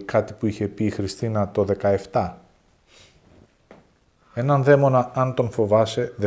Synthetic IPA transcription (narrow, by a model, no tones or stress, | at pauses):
kɐt̪i̥puiçe̞piːxɾist̪inɐt̪o̞ðe̞kɐe̞ft̪ɐ | e̞nɐnðe̞mo̞nɐɐnt̪o̞nfo̞vɐse̞ðe